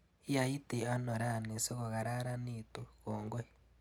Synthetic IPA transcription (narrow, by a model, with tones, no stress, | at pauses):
i˦ja˨ji˦ti˨a˦no˨ɾa˦˨ni˨se˦ɣo˨ɣa˨ɾa˦ɾa˦ni˦tu˦ɣoː˨ŋɡo˦